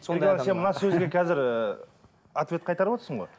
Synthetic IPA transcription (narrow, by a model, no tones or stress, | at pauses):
soeense̞nmənɑsɵzɡʲe̞kʲʰæzɪɾə | at̪vet̪̚qʰɑjt̪ɑɾəpot̪əɾsəɴʁoj